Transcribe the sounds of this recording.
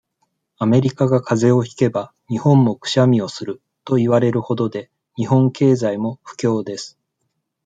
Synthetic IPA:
ame̞ɾʲikaɡakʰaze̞o̞çi̥ke̞ba | ɲ̟ihõ̞mːo̞kɯ̟̥ɕamʲio̞sɨɾɯ̟ | t̪o̞iβaɾe̞ɾɯ̟ho̞d̪o̞d̪e̞ | ɲ̟iɦõ̞ŋke̞ːzaimo̞ɸɯ̥kʲo̞ːd̪e̞sɨ̥

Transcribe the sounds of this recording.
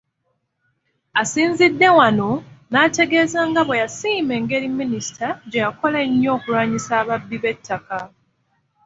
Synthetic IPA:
asiːnzidːe̞wano̞naːte̞ɡe̞ːzaːŋɡaβwe̞jasiːme̞ːŋɡe̞ɾiminisi̥tʰaɟejako̞laɲːo̞ːkulwaːɲisaːβabːiβe̞tʰːaka

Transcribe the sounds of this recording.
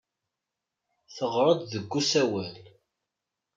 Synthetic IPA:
θəʁɾˤəd̪ðəɡːusæwæl

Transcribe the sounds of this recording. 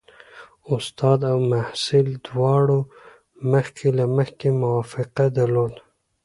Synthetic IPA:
ʊst̪ɑːd̪awmahsɪld̪wɑːɽo | maxkʰelaməxkemʊwɑːfɪqad̪aloːd̪

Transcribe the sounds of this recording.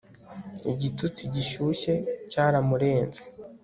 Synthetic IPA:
ḭɟitut͡siɟiʃuːʃe̞caːɾamuɾe̞ːnze̥

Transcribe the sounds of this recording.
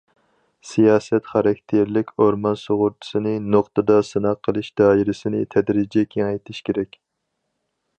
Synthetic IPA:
sijɑːsɛt̪χɑɾɑkʲt̪ʰeɾlɪkʲʰoɾmɑnsoʁʊɾt̪ʰʊ̥sɨnɪnoqt̪ɨd̪ɑsɨnɑqʰːəlˠɨʃd̪̥ɑːiɾɪsɪnɪt̪ʰɛd̪ɾid͡ʒɛkʲʰeŋɛjt̪ʰɪʃkʲʰeɾɛkʲ

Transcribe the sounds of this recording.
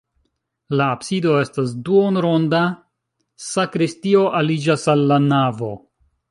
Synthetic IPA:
laːbsido̞e̞stasduonɾo̞nda | sakɾistio̞ʔalid͡ʒasalːanavo̞

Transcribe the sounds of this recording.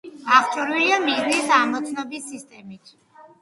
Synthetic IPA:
aχt͡ʃʼɔɾwiliamiznisamɔt̪sʰnɔbisːist̪ʼɛmit̪ʰ

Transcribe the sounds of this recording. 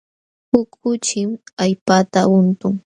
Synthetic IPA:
hʊkʰʊt͡ʃɪmaʎpat̪aʊnt̪ʊŋ

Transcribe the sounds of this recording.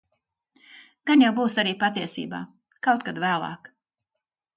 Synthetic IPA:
ɡ̥anjawbuːsaɾiːpat̪iɛsḭːba̰ː | kawt̪kad̪væːlˠɑ̰ːk

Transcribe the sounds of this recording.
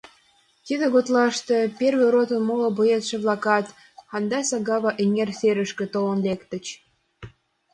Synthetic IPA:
t̪id̪ə̆ɣot̪lˠɑʃt̪epʲerβĕɾot̪ə̆nmolŏbujet̪ʃĕβlˠɑkɑt̪ | ɑnd̪ɑsɑɡɑβɑʔeŋʲerseɾə̆ʃkĕt̪olə̆nlekt̪ə̆t͡ɕ

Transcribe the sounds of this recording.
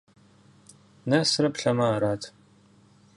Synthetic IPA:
nɐsrɐpɬɐmɐːɾaːtʰ

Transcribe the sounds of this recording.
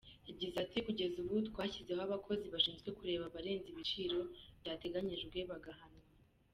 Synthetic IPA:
ibɟizatʰikuɟe̞zuβutkwaːçizeoaβakʰo̞ziβaʃiːnzɡwe̞kuɾe̞ːβaβaɾe̞ːnziβit͡ʃiɾo̞βdate̞ɡaɲiʒeɾɡweːβaɡahano

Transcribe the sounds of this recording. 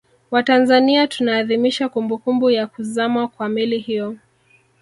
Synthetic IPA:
watanzaniatunaːðimiʃakumbukumbujakuzamakwamilihijɔ

